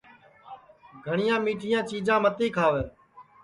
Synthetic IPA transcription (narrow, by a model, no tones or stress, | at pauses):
ɡʱəɳɪjãːmiːʈʰɪjãːt͡ʃiːd͡ʒãːmət̪iːkʰaːʋeː